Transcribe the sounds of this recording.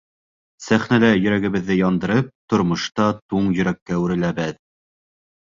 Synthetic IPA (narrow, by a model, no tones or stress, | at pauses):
sæχnælæjɵ̆ɾæɡɘ̆βɘ̆ðːɘjɑnd̪ɤ̆ɾɤp̚t̪ŏɾmŏʃt̪ɑt̪uɴjɵ̆ɾækːæʉɾɘ̆læβɘð